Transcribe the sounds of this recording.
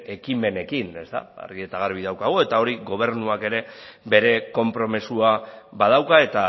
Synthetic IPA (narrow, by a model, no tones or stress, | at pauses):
e̞kime̞ne̞kine̞st̪a̰a̰ɾɣiet̪aɣaɾβ̞iðawkaɣ̞ue̞t̪ao̞ɾiɣo̞β̞e̞ɾnuake̞ɾe̞be̞ɾe̞ko̞mpɾo̞mesuaβað̞awkae̞t̪a